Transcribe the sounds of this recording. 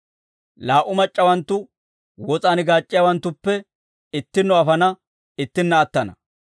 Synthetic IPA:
laːʔʊmɐt͡ʃʼːɐwɐnt̪ːʊ | wɔt͡sʼaːnɪɡaːt͡ʃʼːɪjawɐnt̪ːʊpːɛ | ɪt̪ːɪnːɔɐfɐnɐ | ɪt̪ːɪnːɐːt̪ːɐnɐ̰

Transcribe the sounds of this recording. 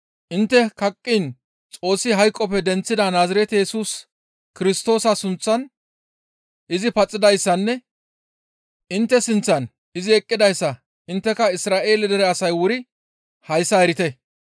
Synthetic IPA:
ʔɪnt̪ːɛkɐkʼːin | t͡sʼo̞ːsːɪɦɐjkʼːɔpɛd̪ɛnt͡sːɪd̪ɐnaːzɐɾɛt̪ɛjɛsuːs | kɪɾɪst̪o̞ːsɐsʊnt͡sːɐn | ʔɪzɪpɐt͡sʼːɪd̪ɐjsːɐnːɛ | ʔɪnt̪ːɛsɪnt͡sːɐn | ɪzɪɛkʼːɪd̪ɐjsːɐ | ʔɪnt̪ːɛkɐɪsɾaːʔe̞ːlɪd̪ɛɾɛɐsɐjwʊɾɪ | hɐjsːɐɛɾɪt̪ɛ

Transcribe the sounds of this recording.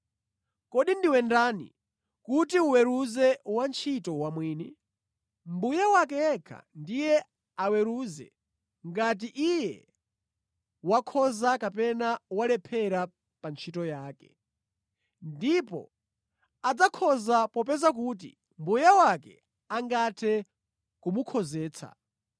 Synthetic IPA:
kɔɗindiwɛndanḭ | kutiuwɛɾuzɛwant͡ʃʰitɔwamwiːni | mbujawakɛɛkʰa̰ndijɛ | awɛɾuzɛ̰ | ŋɡat̬iʔijɛ | wakʰɔzakapɛnawalɛpʰɛɾa | pant͡ʃʰitɔjaːkɛ̰ | ndipɔ̰ | ad͡zakʰɔzapɔpɛzak̬uːt̬ḭ | mbujawakɛ̰ | aŋɡatʰɛ | kumukʰɔzɛːt͡sʰa̰

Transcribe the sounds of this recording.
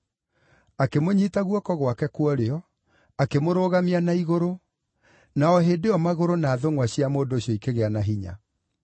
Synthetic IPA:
akemoɲiːtaɣwɔkɔɣwakɛkwɔɾeɔ | akemoɾoːɣamianaiɣoɾo | naɔɦeːdeɔmaɣoɾonaːðoŋwaɕiamoːdoːɕjɔikeɣeanaɦiɲa̰

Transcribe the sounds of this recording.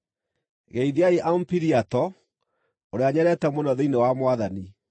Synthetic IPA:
ɣeiðeaeʔaumpiɾiatɔ | oɾeaɲɛɾɛtɛmonɔðeinewamwaðani

